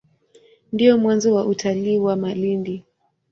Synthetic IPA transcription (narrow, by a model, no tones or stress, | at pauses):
ndiɔmwanzɔwaʔutʰaliːwamalindi